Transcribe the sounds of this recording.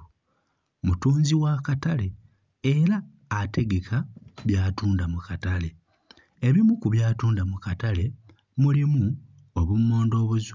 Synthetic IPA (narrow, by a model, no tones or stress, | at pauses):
mutuːnziwaːkatale̞ | eɾaː | te̞ɡe̞kʰaβjaːtuːndamukatale̞ | eβimukuβjaːtuːndamukatale̞ | mulimu | oβumːoːndo̞ːβuz